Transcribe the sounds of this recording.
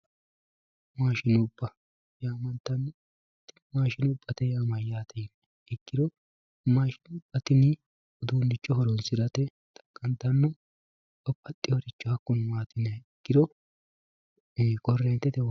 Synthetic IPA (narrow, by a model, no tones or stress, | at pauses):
maːʃɪnʊbːɐ | jaːmɐnt̪ːɐn | t̪ːɪmaːʃɪnʊbːɐt̪ɛjaːmɐjaːt̪ʰɛn | ɪɡːɪd̪ɔ | maːʃɪnʊbːɐt̪ɪnɪ | ɔd̪undɪt͡ʃʼːɔhɔɾɔnsɪd̪ɐt̪ɛ | t̪ɐ̥kʼːɐnt̪ːɐnːɔ | ɔpːɐt̪ʼːɪjɔɾɪt͡ʃːɔhɐkːɔnmaːt̪ɪnɛɡːɪd̪ɔ | kʼɔrːɛnt̪ːɛt̪ɛ